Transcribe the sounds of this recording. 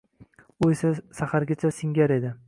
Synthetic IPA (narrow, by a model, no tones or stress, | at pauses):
ʊesasahaɾɡʲat͡ʃʰasɪŋɡʲaɾe̞d̪ɪ